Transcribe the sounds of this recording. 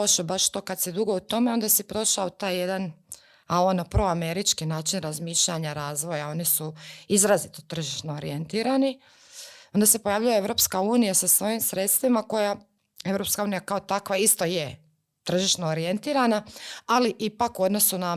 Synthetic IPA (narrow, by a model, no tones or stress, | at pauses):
oʃobaʃt̪o̞ːkad̪sed̪uɡo̞ut̪o̞me̞o̞nd̪asipɾo̞ʃaot̪aːjje̞d̪an | aonopɾooame̞ɾit͡ʃkinaːt͡ʃinɾazmiːʃʎaɲaɾaːzʋo̞jao̞nisuizɾazit̪o̥t̪r̩ʒiʃnoːɾḭjent̪iːɾani | o̞nd̪ase̞pojaʋʎujaeʋɾo̞p̪skauːnijasasʋo̞imsɾe̞t̪st̪ʋimako̞ja | e̞vɾo̞pskauːnijakaot̪akʋaist̪o̞je | t̪r̩ʒiʃnoːɾije̞nt̪iːɾanaaliʔipakuo̞d̪no̞suna